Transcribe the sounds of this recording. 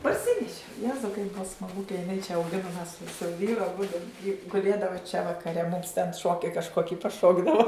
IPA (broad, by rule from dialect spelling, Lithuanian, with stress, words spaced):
pɐrʲˈsʲɪnʲɛʃʲɪ ˈjæːzɐʊ kɐɪp ˈbʊɐ smɐˈɡʊ kɐ jɪˈnɐɪ t͡ʃʲɛ ɐʊˈɡʲɪnʊm mʲɛs sʊ sʊ ˈʋʲiːrʊ ɐˈbʊdʊ jɪ ɡʊˈlʲeːdɐʋoː t͡ʃʲɛ ʋɐkɐˈrʲɛ mʊms tʲɛn ˈʃoːkʲɪ kɐʃˈkoːkʲɪ pɐˈʃoːɡdɐʋoː